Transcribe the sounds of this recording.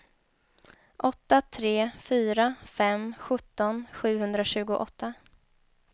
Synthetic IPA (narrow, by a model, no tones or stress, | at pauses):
ʔɔt̪ːat̪ʰɾeːfyːɾafɛmɧɵt̪ːɔnɧʉ̟ːhɵnd̪ɾaɕʉ̟ːɡʊʔɔt̪ʰːa